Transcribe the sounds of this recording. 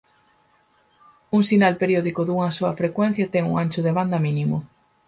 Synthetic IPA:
uŋsinalpeɾjɔðikʊðuŋɐsoɐfɾekwɛn̟θjɐt̪ɛŋṵŋanʲt͡ʃʊðeβand̪ɐmĩnimʊ

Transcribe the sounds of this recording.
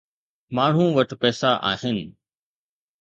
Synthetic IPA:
maːɳ̤ũʋɐʈpɛːsaʔa̰ːɦɪnɪ̆

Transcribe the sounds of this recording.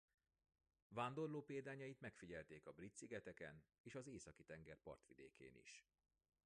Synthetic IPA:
vaːnd̪o̞rloːpeːd̪aːɲɒjit̪mɛkfiɟɛlt̪eːkɒbrit̪siɡɛt̪ɛkɛ̰n | eːʃɒzeːsɒkit̪ɛŋɡɛrpɒ̰rt̪ʋid̪eːkʰḛːnḭʃ

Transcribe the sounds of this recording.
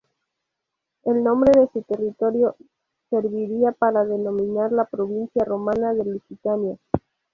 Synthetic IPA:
e̞lnõ̞mbɾe̞ðe̞sut̪e̞rit̪o̞ɾjo̞ | se̞ɾβiɾiapaɾaðe̞nõ̞mĩnaɾlapɾo̞βinsjaro̞manaðe̞lusit̪anja

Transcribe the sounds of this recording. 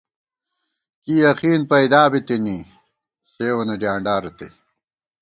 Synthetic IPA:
kijɐqiːnpɐjd̪aːbit̪ini | ɕeːwɐnɐɖjaːɳɖaːɾɐt̪ḛ

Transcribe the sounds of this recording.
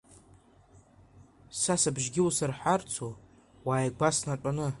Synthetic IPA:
sasabʒɡʲɪwusarħʷart͡sʰo | waːjɡʷasnaʈ͡ʂʷʼanɨ

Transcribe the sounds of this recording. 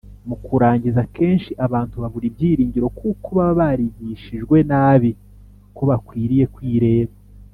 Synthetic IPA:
mukuɾaːɲɟizakeːnʃiʔaβaːntuβaβuɾibɟiːɾiːɲɟiɾo̞kukuβaβaɾiɟiʃiʒɡwe̞naːβi | koβakwiːɾije̞kwiːɾe̞ːβa

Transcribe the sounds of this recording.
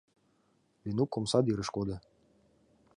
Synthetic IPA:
lʲinukːomsɑd̪iɾə̆ʃkod̪ɤ̆

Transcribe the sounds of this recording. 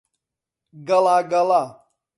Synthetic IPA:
ɡɐlaɡɐla

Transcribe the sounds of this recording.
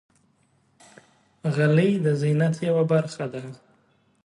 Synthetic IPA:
ɣalid̪əzinat̪ʰjawabaɾxad̪a

